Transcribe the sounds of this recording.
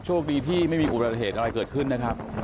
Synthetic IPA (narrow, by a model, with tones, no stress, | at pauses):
t͡ɕʰu˥˩ək̚diː˧t̪ʰiː˥˩ma˥˩jmiː˧ʔu˨˩ba˨˩ɦeː˨˩t̪ʔa˧ɾa˧jkɤː˨˩t̪̚kʰɯ˥˩nːa˦˥kʰa˦˥p̚